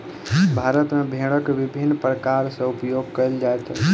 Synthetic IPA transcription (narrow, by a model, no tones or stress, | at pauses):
bʱaɾət̪mebʱeɽəkʋibʱinːpɾəkaɾsẽupjoɡkəld͡ʒaet̪